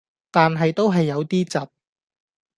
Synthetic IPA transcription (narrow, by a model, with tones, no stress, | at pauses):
t̪aː˨nɦɐ˨jt̪o˥wɦɐ˨jːɐ˨˧wt̪iː˥t͡sɐ˨p̚